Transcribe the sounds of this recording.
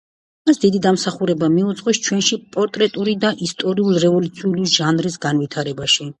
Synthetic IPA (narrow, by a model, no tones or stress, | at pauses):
masd̪id̪id̪amsaχuɾɛbamiut̪zʼqʼɔst͡ʃʰwɛnʃipʼɔɾt̪ʼɾɛt̪ʼuɾid̪aʔist̪ʼɔɾiulˠɾɛvɔlut̪sʰiuliʒanɾisɡanvit̪ʰaɾɛbaʃi